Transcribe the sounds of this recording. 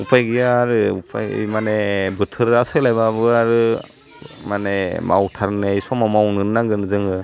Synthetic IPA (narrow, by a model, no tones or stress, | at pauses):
upʰajɡɯjaɾɯupʰajmanebɯtʰɯɾasɯlajbabɯaɾɯ | manema̰wtʰaɾnejsɔmamawnɯnɯnaŋɡɯnɯzɯŋɯ